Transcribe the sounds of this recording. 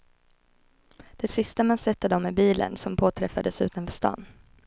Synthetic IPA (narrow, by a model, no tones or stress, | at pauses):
d̪̥ɛsɪst̪amansɛt̪ːəd̪ɔmːɛbiːlə̰nsɔmpʰoːt̪ʰɾɛfːad̪əsʉ̟ːt̪anfœst̪ɑ̰ːn